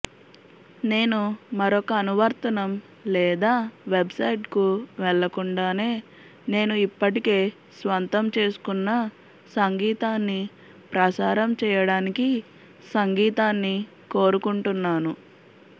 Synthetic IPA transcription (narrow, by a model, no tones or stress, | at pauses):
ne̞ːnumɐɾɔkɐːnuʋɐɾt̪ɐnɐm | lɛːd̪aːʋebsɐjʈkuʋɛɭːɐkuɳɖaːne̞ː | ne̞ːnuipːɐʈike̞ː | sʋɐnt̪ɐmt͡ʃe̞ːsu̥kunːɐ | sɐŋɡiːt̪aːnːi | pɾɐsaːɾɐmt͡ʃɛːjɐɽaːniki | sɐŋɡiːt̪aːnːi | ko̞ːɾukuɳʈunːaːnu